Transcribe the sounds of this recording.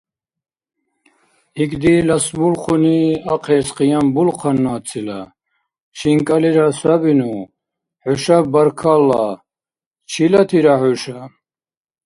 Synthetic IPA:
iɡd̪ilasbulχʰuniaqʰɛːsqʼijambulqʰanːuat͡sʰila̰ | ʃʰiŋkʼaliɾasabinu | ħuʃabaɾkʰalːa | t͡ʃʰilat̪ʰiɾaħuʃa

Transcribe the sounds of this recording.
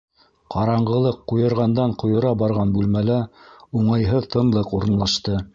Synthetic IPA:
qʰɑɾɑɴɢɤ̆lˠɤqːujɤ̆ɾʁɑnd̪ɑɴqŏjɤ̆ɾɑbɑɾʁɑnbʉlmælæuɴɑjɦɤðt̪ʰɤ̆nlˠɤquɾɤ̆nlˠɑʃt̪ɤ

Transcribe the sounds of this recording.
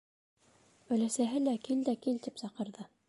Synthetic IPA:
ɵ̆læsæɦɘlækild̪ækilt̪ipsɑqɤ̆ɾðɤ

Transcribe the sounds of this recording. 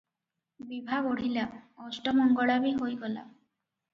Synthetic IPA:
bibʱaboɽ̤ilaɔsʈɔmɔŋɡɔɭabiɦojɡɔla̰

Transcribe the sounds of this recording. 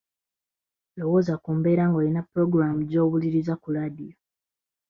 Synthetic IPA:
lo̞wo̞ːzakuːmbe̞ːɾaːŋɡoːlinapːɾo̞ɡɾamuɟo̞ːβuliɾizakuɾadijo

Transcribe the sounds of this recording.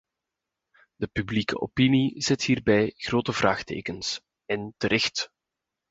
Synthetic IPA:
d̥əpyblikə̰ʔopinizɛtɦiːrbɛjɣroːtəvraːxtḛːkəns | ɛntəɾɛxt

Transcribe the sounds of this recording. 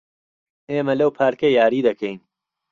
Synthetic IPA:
eːmɐlɐwpʰaːɾkɐjaːɾiːd̪ɐkʰejn

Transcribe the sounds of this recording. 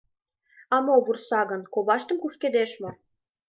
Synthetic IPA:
ɑmoβursɑɣə̆nkoβɑʃt̪ə̆mkuʃked̪eʃmo

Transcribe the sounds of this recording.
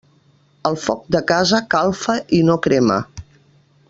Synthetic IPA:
əlˠfɔk̚d̪əkazəkalˠfəʔinokɾɛmə̰

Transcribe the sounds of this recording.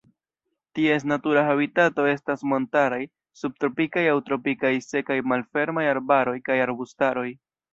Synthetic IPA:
tie̞s̬natuɾahaβitato̞e̞stasmo̞ntaɾaj | sub̚tɾo̞pikajawtɾo̞pikajse̞kajmalfe̞ɾmajaɾbaɾo̞jkajaɾbustaɾo̞j

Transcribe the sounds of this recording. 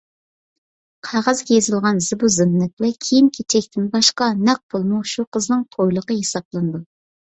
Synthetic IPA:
qʰɑʁɑzɡʲɛjezɨlˠʁɑnzɨbuzɨnnːɪt̪̚wɛkʲʰejimkʲʰet͡ʃʰɛkʲt̪ʰɪnbɑʃqɑnɛq̚bolˠmuʃuqʰəznɨŋt̪ʰojlˠəqəjesɑp̚lˠɨnɨd̪u

